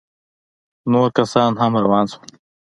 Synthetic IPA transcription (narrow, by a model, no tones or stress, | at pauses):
noːɾkɐsɑːnɦamɾawɑːnsu̥